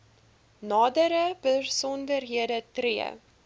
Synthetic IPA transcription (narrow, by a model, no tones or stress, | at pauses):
nɑːdəɾəb̥ərsɔndərɦiədətriə̰